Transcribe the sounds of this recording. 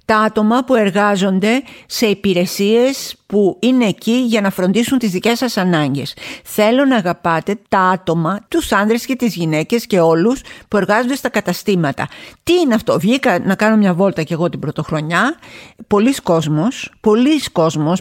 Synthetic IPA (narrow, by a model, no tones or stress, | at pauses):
t̪ɐɐt̪o̞mɐpue̞ɾɣɐzo̞nd̪e̞se̞ipiɾe̞sie̞spuine̞ːciʝɐnɐfɾo̞nd̪isunt̪izðice̞sɐsɐnɐɲɟe̞sθe̞lo̞nɐːɣɐpɐt̪e̞t̪ɐɐt̪o̞mɐt̪usɐnðɾe̞sce̞t̪izʝine̞ce̞sce̞o̞luspue̞ɾɣɐzond̪est̪ɐkɐt̪ɐst̪imɐt̪ɐ̰t̪iineɐft̪o̞vʝikɐnɐkɐno̞mɲɐvo̞lt̪ɐce̞ɣo̞t̪ibɾo̞t̪o̞xɾo̞ɲɐpo̞lisko̞zmo̞spo̞lisko̞zmo̞s